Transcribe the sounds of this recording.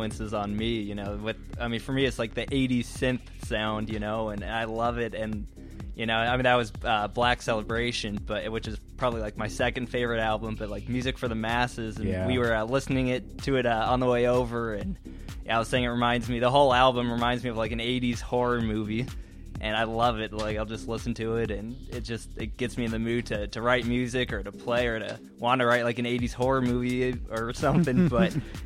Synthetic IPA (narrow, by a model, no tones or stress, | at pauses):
ɨ̃nsɨzn̩mijɨnoʊwɨðaɪmĩnfə˞miɨtslaɪk̚ðiʔeɪɾi̥sɪ̃nθsãʊ̃ndjɨnoʊə̃naɪlʌvɪɾɨ̃n | jɨnoʊaɪmĩnðɨt̚wʌzʌblæksɛlˠəbɹeɪʃɨ̃nb̥ʌɾɪt̚wɨt͡ʃɨz̥pʰɹ̥ɑbəblilaɪk̚maɪsɛkɨ̃nd̥feɪvə˞ɨɾælˠbə̃mbʌt̚ˡlaɪk̚mjʉzɨkfə˞ðɨmæsɪzɨ̃nnwiwə˞ʌlɪsnɪ̃ŋɪtʰɨɨɾʌ̃n̩ðəweɪoʊvə˞ɨ̃n | j̰aɪwʌz̥seɪɪ̃ŋɨt̚ɹɨmãɪ̃ndzmiðəɦoʊlˠælˠbə̃mɹɨmãɪ̃nzmiʌvlaɪkɨ̃neɪɾiz̥hɔɹəmʉvi | ʔɨ̃ñaɪlʌvɪt̚laɪkaɪlˠd͡ʒʌstˡlɪsn̩tʰɨɪɾɨ̃nɪt̚d̥ʒ̥ʌst̚ɨt̚ɡ̥ɛtsmiɨ̃nðɨmʉd̚tʰɨɾɨɹaɪt̚mjʉzɪkə˞ɾəpʰl̥eɪə˞ɾɨ̰ | wɑ̃nɨɹaɪt̚laɪkɨ̃neɪɾiz̥hɔɹə˞mʉviə˞sʌ̃mθɪ̃ŋb̥ʌt̚